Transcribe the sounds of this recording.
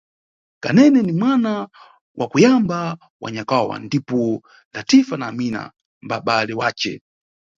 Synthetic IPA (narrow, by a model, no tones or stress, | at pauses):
kanɛnɛnimwana | wʔakujamba | wʔa̰ɲakawa̰ndipɔ | latifanaːmina̰ | mbaɓalɛwaːt͡ʃɛ̰